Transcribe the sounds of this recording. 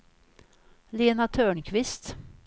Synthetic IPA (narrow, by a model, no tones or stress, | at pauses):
leːnat̪ʰœːɳkʰvɪst̪